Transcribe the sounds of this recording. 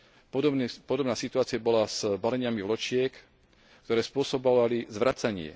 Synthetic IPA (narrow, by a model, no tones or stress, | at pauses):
pɔd̪pɔd̪ɔbnaːsit̪uaːt͡siabɔlaz̥balɛɲɪamivlɔt͡ʃɪɛk | kt̪ɔɾɛːspʊɔsɔbɔʋalizʋɾʔat͡saɲɪɛ̰